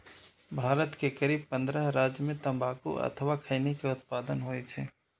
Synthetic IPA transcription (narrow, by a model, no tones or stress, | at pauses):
bʱaːɾət̪kekəɾiːb̚pɐ̃nd̪ɾəɦɾaːd͡ʒjəmẽt̪ɐ̃mbaːkṵɐ̰t̪ʰəwakʰəɪnikeʊt̪̚paːd̪ənɦoːet͡ʃʰɛː